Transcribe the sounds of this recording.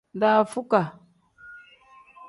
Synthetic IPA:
nda˦˨fu˦ka˨

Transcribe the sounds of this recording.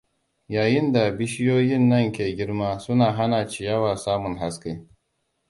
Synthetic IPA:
jaː˨jɪ˦nda˨bɪ˦ʃɪ˦joː˦jɪ˦nːɐ˦ŋkʲeː˨ɡʲɪ˦ɽmaː˦sʊ˦naː˨ɦa˦naː˨t͡ʃɪ˦jɐ˦waː˨saː˦mʊ˨ŋɦa˦ske˦

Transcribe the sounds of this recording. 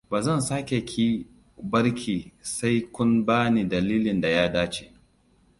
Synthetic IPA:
baː˨zɐ˦˨nsaː˦kʲe˨kʲʰiː˦ | bɐ˦ɾkʲʰiː˨sa˦jkʷʊ˦nbaː˦ni˨dɐ˨liː˦lɪ˨nda˨jaː˦daː˦t͡ʃe˨

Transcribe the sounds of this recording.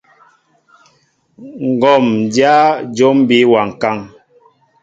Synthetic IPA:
ŋ̩˨ɡɔ˨mdja˦d͡ʒo˦m˦bi˦wa˨ŋ̩˨ka˦˨ŋ

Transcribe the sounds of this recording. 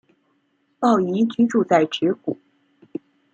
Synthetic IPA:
pɑ˥˩ʊi˧˥t͡ɕy˥ʈ͡ʂu˥˧t͡sa˥˩ɪʈ͡ʂɻɛ˧˥ku˨˩˦

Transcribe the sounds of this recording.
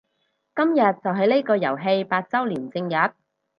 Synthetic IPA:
kɐ˥mjɐ˨t̚t͡sɐ˨wɦɐ˨˥jne˥kɔː˧jɐ̰˨˩wɦe˧jpaː˧t̚t͡sɐ˥wliː˨˩nt͡sɪ˧ŋjɐ˨˥t̚

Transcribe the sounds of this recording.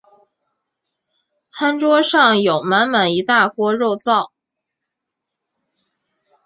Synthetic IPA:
t͡sʰa˥nʈ͡ʂwɔ˥ʂɑ˥˩ŋjo˨˩ʊma˧˥nma˨˩ni˧˥t̪a˥˩kwɔ˥ɻo˥˧ʊt͡sɑ˥˩ʊ

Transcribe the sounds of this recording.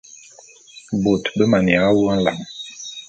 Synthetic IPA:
bo˨tbə˦ma˨ni˨a˨˦wu˦a˦n̩˦la̰˨ŋ

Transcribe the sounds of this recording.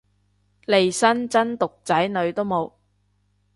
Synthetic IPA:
le˨jsɐ˥nt͡sɐ˥nt̪ʊ˨k̚t͡sɐ˨˥jnɵ˨˧ɥt̪o˥wmo˨˧w

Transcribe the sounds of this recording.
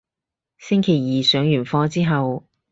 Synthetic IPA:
sɪ˥ŋkʰe˨˩jjiː˨sœː˨˥ŋjyː˨˩nfɔː˧t͡siː˥ɦɐ˨w

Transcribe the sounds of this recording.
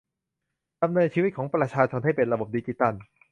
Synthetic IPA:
ka˧mnɤː˧nt͡ɕʰiː˧wi˦˥t̪̚kʰɔː˩˦ŋpɾa˧t͡ɕʰaː˧t͡ɕʰo˧nɦa˥˩jpe˧nɾa˧bo˨˩p̚diː˧t͡ɕi˧˩t̪a˥˩n

